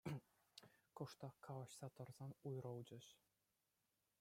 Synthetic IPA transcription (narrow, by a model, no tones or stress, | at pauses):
kɤ̆ʂt̪ɑχkɑlɑɕsɑt̪ɤ̆rz̥ɑnujrɤ̆ld͡ʑɘ̆ɕ